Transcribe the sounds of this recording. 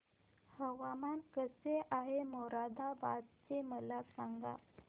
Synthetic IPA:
həʋamankəseʔaɦemɔɾad̪ʱabad̪t͡seməlasaŋɡa̰

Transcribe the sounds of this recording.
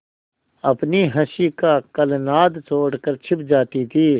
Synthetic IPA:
ɐpniɦɐʃikakɐlnaːd̪t͡ʃoːɽkəɾt͡ʃʰɪp̚d͡ʒaːt̪it̪ʰiː

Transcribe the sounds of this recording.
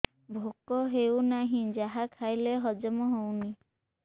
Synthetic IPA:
bʱokɔɦewnaɦĩd͡ʒaɦakʰajleɦɔd͡ʒɔmɔɦowni

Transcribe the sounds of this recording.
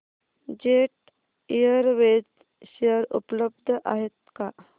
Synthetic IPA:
d͡ʑeʈ̚ | ijəɾʋed͡z | ɕəɾṵpləbd̪ʱʔa̰ɦet̪ka

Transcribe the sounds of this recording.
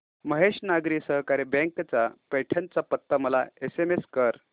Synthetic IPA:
məɦeɕnaɡɾiːsəɦkaɾebẽŋkt͡sapeʈʰənt͡sapət̪ːəməlaesemeskəɾ

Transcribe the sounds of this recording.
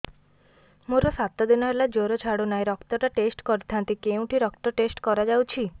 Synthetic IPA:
moɾɔsat̪ɔd̪inɔɦelad͡ʒoɾɔt͡ʃʰaɽonajɾɔkt̪ɔʈaʈesʈkɔɾit̪ʰant̪ikeũʈʰiɾɔkt̪ɔʈesʈkɔɾad͡ʒawt͡ʃʰi

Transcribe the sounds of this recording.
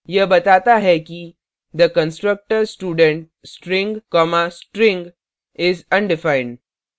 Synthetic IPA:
jəbɐt̪aːt̪aɦɛki | d̪əkə̃nsʈɾək̚ʈəɾsʈuːɖə̃ɳʈ̚ | sʈɾɪ̃ŋɡkɔmasʈɾɪ̃ŋɡ | ɪzɐ̃nɖɪfaɪ̃ɳɖ

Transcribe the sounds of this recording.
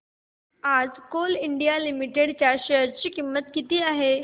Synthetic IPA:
ad͡zkoliɳɖijalimiʈeɽt͡ɕjaɕejəɾt͡ɕiːkimːət̪kit̪iːaɦe

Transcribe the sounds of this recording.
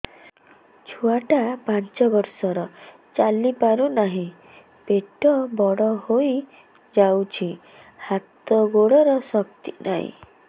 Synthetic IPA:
t͡ʃʰuaʈapant͡ʃɔbɔɾsɔɾɔ | t͡ʃalipaɾunaɦĩ | peʈɔbɔɽɔhoj | d͡ʒawt͡ʃʰi | hat̪ɔɡoɽɔɾɔsɔk̚t̪ina̰ɦḭ̃

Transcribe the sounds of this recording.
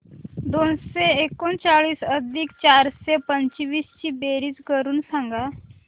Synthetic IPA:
d̪onseekont͡ɕaɭiːsəd̪ʱikt͡ɕaɾsepəɲt͡ɕʋiːst͡ɕiːbeɾit͡skəɾuːnsãŋɡa

